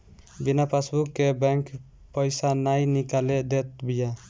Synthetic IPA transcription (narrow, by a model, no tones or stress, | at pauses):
binapʰasbukːɛbɛŋk | pɔjsanajnikalɛd̪ɛt̪̚bija